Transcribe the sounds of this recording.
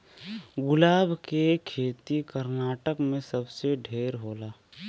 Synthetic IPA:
ɡʊlaːbʱkekʰeːt̪ikəɾnaːʈəkmẽsəbseɖʱeːɾɦoːlaː

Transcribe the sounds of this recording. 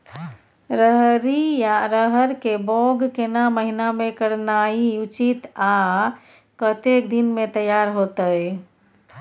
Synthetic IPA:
ɾəɦɾijaɾəɦəɾkebɔɡkenaməɦinamekəɽnaiut͡ʃit̪a | kət̪ekd̪inmet̪əjaɾɦot̪əj

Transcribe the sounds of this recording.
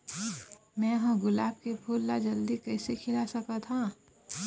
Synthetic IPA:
mɛ̃ːɦə̃ɡʊlaːb̚kepʰuːlːad͡ʒɐld̪ikɐɪsekʰɪlasɐkat̪ʰã

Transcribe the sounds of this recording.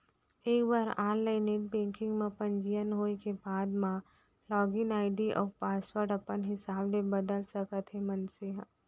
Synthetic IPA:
eːkbaːɾaːnlaɪneʈ̚bẽːŋkɪ̃ŋɡmẽpɐ̃ɲd͡ʒijənɦoːekebaːd̪mã | lɔːɡɪnaːɪd̪iʔɔ̰ːɾpaːswəɾʈɐpənɦɪsaːblẽbɐd̪əlsɐkət̪ɦemɐnseɦ

